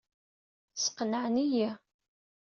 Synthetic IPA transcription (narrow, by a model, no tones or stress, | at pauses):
sə̥qnəʕnijæ